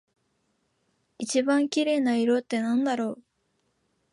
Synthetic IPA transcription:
it͡ɕibãŋkʲiɾe̞ːnaiɾo̞t̪ːe̞nãnd̪aɾo̞ː

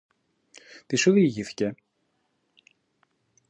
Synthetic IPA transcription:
t̪isuðiʝiθi̥ce

